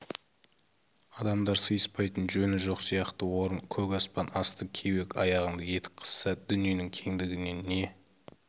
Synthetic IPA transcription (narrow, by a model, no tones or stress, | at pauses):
ɑd̪ɑmd̪ɑɾsəjəspɑjt̪ənʒɵnɪʒo̞qsijɑqt̪əwo̞ɾənkʲʰɵkɑspɑnɑst̪əkʲʰewe̞kʲɑ̰jɑʁənd̪ɑje̞t̪ɪ̥p̚qʰə̥sːɑd̪ʏnije̞nɪŋkʲʰe̞ŋd̪ɪɡʲɪne̞ne̞